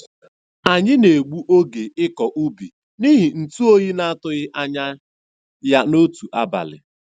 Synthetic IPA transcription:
a˨ɲɪ˦ne˨ɡ͡bu˦ʔo˦ɡe˨ɪ˦kɔ˨ʔu˦bi˨ | ni˦ɦi˨n̩˨tu˦o˦ɣi˦na˦a˦tʊ˦ɣɪ˦ʔa˦ɲa˦ | ja˦no˦tu˨ʔa˦ba̰˨lɪ̰˨

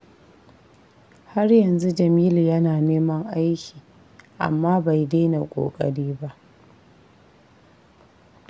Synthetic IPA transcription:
ha˦rjɐ˨nzu˦d͡ʒɐ˨miː˦ljɐ˦naː˨neː˦mɐ˦ŋʔa˦jkʲiː˨ | ʔa̰˨mːaː˦ba˨jdeː˦na˨kʷʼo̰ː˨kʼɐ̰˦˨ɽiː˦ba˦ʔ

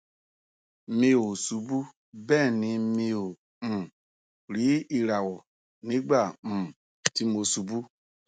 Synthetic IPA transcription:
me˧wo˨su˨˦bu˦ | bɛ˦˨nĩ˧me˧õ˨ | ɾi˨˦i˧ɾa˨wo˨ | nĩ˨˦ɡ͡bã˦˨ | ti˦mo˧su˨bu˦

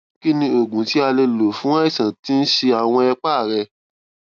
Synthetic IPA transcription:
ki˦nĩ˧o˨ɡũ˨˦ti˦a˧le˧lo˨fũ˨˦ã˦i˦˨sã˨ti˦n̩˦ʃe˧a˨w̃ɔ̃˧ɛ˧k͡pa˦˨ɾɛ˧

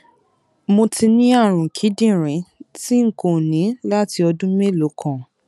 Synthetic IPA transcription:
mo˧ti˧nĩ˦a˦˨ɾ̃ũ˨kʰi˨˦dĩ˦˨ɾ̃ĩ˨˦ti˦ŋ̩˦˨ko˨nĩ˨˦la˦ti˧ɔ˧dũ˦me˦˨lo˨˦kʰã˦˨

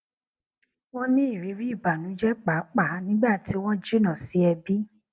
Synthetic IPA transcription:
w̃ɔ̃˦nĩ˦i˦˨ɾi˨˦ɾi˦i˦˨ba˨nũ˨˦d͡ʒɛ˦k͡pa˨˦k͡pa˦˨˦nĩ˦ɡ͡ba˦˨ti˨˦w̃ɔ̃˦d͡ʒi˦nã˦˨si˨˦ɛ˧bi˦

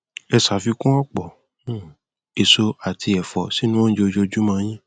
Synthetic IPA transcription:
ɛ˧sa˨fi˧kũ˦ɔ˦k͡pɔ̃˨˦˨ | e˨so˧a˨tʰi˧ɛ˨fɔ˨si˨˦nũ˦wɔ̃˦n̩˦d͡ʒo˧d͡ʒo˧d͡ʒu˦mã˧˦˧j̃ĩ˦

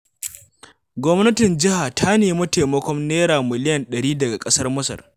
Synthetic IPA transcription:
ɡʷɔ˦mnɐ˦tɪ˨nd͡ʒɪ˦ha˨tʰa˦neː˨˦mɐ˦te˨mɐ˦kʷɔ˦mneː˦ɾaː˨mɪ˨lɪ˦jɐ˨nɗɐ˨ɽiː˦dɐ˨ɡa˨kʼɐ˦sɐ˦rmʊ˦sɐ̰˨r

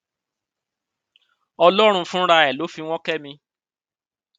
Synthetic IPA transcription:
ɔ˧lɔ˦ɾ̃ũ˧fũ˦ɾa˧ɛ˨lo˨˦fi˧w̃ɔ̃˦kɛ˦mĩ˧

